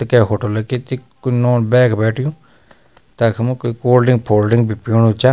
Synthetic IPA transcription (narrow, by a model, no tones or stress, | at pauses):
t̪kɛːɦoːʈoːlɛkit̪ikoinɔ̃ːbɛːkbɛːʈʰɪjũː | t̪akʰmũkoikoːlɖɪ̃ŋɡpʰoːlɖɪŋɡbipoːnũːt͡ʃaː